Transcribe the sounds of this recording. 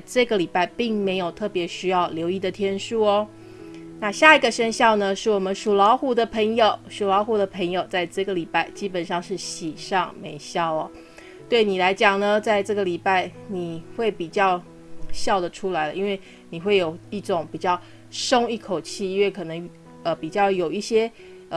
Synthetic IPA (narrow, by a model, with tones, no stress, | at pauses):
ʈ͡ʂɤ˥˩ɡə˩li˨˩pa˥˧ɪpi˥˩ŋme˧˥ɪjo˨˩ʊt̪ʰɤ˥˩pjɛ˧˥ɕy˥jɑ˥˩ʊljo˧˥ʊi˥˩d̪ə˩t̪ʰjɛ˥nʂu˥˩ɔ˦ | na˥˧ɕja˥˩i˧˥ɡə˨ʂə˥ŋɕjɑ˥˩ʊnə˨ʂɻ̩˥˩wɔ˨˩mə˨˦nʂu˨˩lɑ˧˥ʊxu˧˥d̪ə˧pʰə˧˥ŋjo˨˩ʊʂu˨˩lɑ˧˥ʊxu˧˥d̪ə˨pʰə˧˥ŋjo˨˩ʊt͡sa˥˧ɪʈ͡ʂɤ˥˩ɡə˩li˨˩pa˥˧ɪt͡ɕi˥pə˨nʂɑ˥˧ŋʂɻ̩˥˩ɕi˨˩ʂɑ˥˩ŋme˧˦ɪɕjɑ˥˩ʊɐ̰˨ | t̪we˥˩ɪni˨˩la˧˥ɪt͡ɕjɑ˨˩ŋnə˩t͡sa˥˧ɪʈ͡ʂɤ˥˩ɡə˩li˨˩pa˥˩ɪni˨˩xwe˥˩ɪpi˨˩t͡ɕjɑ˥˧ʊ | ɕjɑ˥˩ʊd̪ə˩ʈ͡ʂʰu˥la˧˥ɪlə˧i˦˥nwe˥˩ɪ | ni˨˩xwe˥˩ɪjo˨˩ʊi˥˩ʈ͡ʂʊ˨˩˦ŋpi˨˩t͡ɕjɑ˥˩ʊ | ʂo˥ŋi˥˩kʰo˨˩ʊt͡ɕʰi˥˩i˥nwe˥˩ɪkʰɤ˨˩nɤ˧˦ŋ | ə˧˨pi˨˩t͡ɕjɑ˥˩ʊjo˨˩ʊi˥˩ɕjɛ˥˩